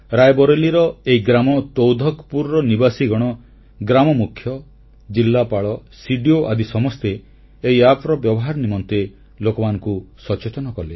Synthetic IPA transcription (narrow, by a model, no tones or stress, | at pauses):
ɾajbɔɾeliɾɔeiɡɾamɔt̪owd̪ʱɔkpuɾɾɔnibasiɡɔɽ̃ɔ | ɡɾamɔmukʰjɔ | d͡ʒilːapaɭɔsiɖioʔad̪isɔmɔst̪eː | iapɾɔbjɔbɔɦaɾɔnimɔnt̪e | lokɔmanɔŋkusɔt͡ʃet̪ɔnɔkɔle